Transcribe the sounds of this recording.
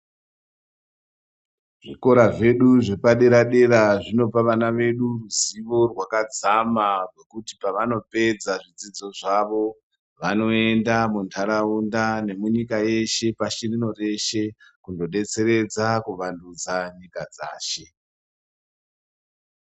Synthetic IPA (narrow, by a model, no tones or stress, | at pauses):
ʐiko̞ɾaʐe̞ɗuʐe̞paɗe̞ɾaɗe̞ɾaʐino̞paʋanaʋe̞ɗuruziʋo̞rwakad͡zamarwe̞kutipaʋano̞pe̞d͡zaʐid͡zid͡zo̞ʐaʋo̞ | ʋano̞endamuntʰaɾaundane̞muɲikaje̞ʃe̞paʃirino̞re̞ʃe̞kundo̞ɗe̞t͡se̞ɾe̞d͡zakuʋandud͡zaɲikad͡za̰ːʃe̞